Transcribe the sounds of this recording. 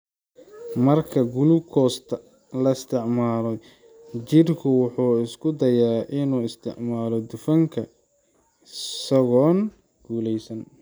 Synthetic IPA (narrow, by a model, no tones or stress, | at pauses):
mɐrkʰɐɡulʊkʰɔːst̪ʰɐ | lɐɪst̪ʰɪʕmaːlɔ | t͡ʃɪrkʰʊwʊħuːɪskʰʊd̪ɐjaːʔɪnuːɪst̪ʰɪ̰ʕmaːlɔd̪ʊfɐŋkʰɐ | sɐɣɔːn | ɡ̥uːlɛjsɐn